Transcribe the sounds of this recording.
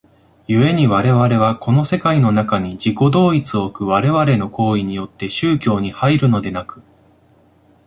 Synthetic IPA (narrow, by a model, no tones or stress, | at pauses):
jɯ̟e̞ɲ̟iβaɾe̞βaɾe̞β̞ako̞no̞se̞kaino̞nakaɲ̟id͡ʑiko̞d̪o̞ːit͡sɨo̞kɯ̟β̞aɾe̞βaɾe̞no̞ko̞ːiɲ̟ijo̞t̪ːe̞ɕɨːkʲo̞ːɲ̟ihaiɾɯ̟no̞d̪e̞nakɯ̟̥